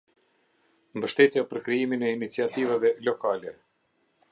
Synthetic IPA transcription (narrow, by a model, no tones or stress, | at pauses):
mbəʃt̪ɛt̪japəɾkɾiiminɛinit͡siat̪ivavɛlɔkalɛ